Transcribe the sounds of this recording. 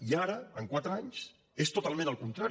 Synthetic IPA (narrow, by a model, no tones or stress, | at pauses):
iaɾəəŋkwat̪ɾəaɲs | est̪ut̪alˠmẽnəlˠkunt̪ɾaɾ